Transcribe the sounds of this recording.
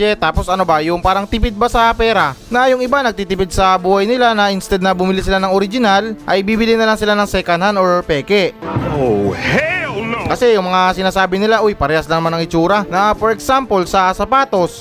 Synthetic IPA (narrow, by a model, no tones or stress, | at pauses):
ɛt̪aːpo̞sɐno̞bɐjʊŋpaːɾɐŋt̪ɪpɪd̪̚bɐsɐpɛːɾɐnɐjʊŋɪbanɐɡ̚t̪it̪ɪpɪd̪̚sɐbuːhɐjnɪlanɐʔɪnst̪ɛd̪̚nɐbʊmɪlisɪlanɐŋoɾɪd͡ʒɪnalʔɐjbiːbɪlɪnɐlaŋsɪlanɐŋsɛkɐnhanoɹpɛːkɛo | kɐsɛjʊŋmɐŋasɪnaːsaːbɪnɪlaʔojpɐɾɛhɐslɐŋmanɐŋɪt͡ʃuːɾɐnɐpoɾɛksampolsɐsɐpaːt̪o̞s